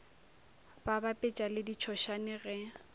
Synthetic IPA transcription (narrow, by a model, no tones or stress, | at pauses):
babapʼɪt͡ʃʼalɪdit͡ʃʰɔʃanɛɣɛ